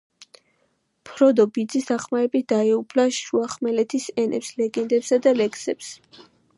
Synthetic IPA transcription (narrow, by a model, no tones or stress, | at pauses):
pʰɾɔd̪ɔbid̪zisd̪aχmaɾɛbit̪̚ʰd̪̥aɛupʰlaʃuaχmɛlɛt̪ʰisɛnʔɛ̰pslɛɡɛnd̪ɛpsad̪alɛksɛps